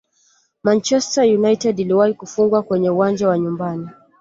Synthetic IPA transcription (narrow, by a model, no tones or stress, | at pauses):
mant͡ʃɛstajunajtɛdiliwahikufuŋɡwakwɛɲɛuwand͡ʒawaɲumbani